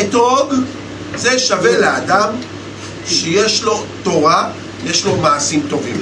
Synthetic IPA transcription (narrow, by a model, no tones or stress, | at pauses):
et̪oɡ | zeʃave̞lead̪am | ʃejeʃlo̞t̪o̞ʁa | jeʃlo̞maːsimt̪o̞vim